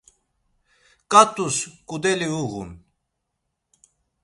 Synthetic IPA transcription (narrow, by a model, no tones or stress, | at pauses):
kʼat̪ʼuskʼud̪ɛliuɣṵn